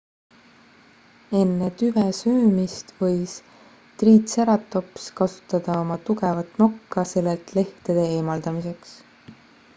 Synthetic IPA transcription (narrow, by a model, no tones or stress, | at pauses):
e̞nːet̪yvesøːmist̪vɤjs | t̪riːt̪seɾɑt̪ːˑo̞pskɑsu̥t̪ːˑɑd̪̥ɑo̞mɑt̪uɡe̞vɑt̪ˑno̞kːɑse̞lːelt̪le̞ht̪e̞d̪̥e̞eːmɑld̪̥ɑmise̞ks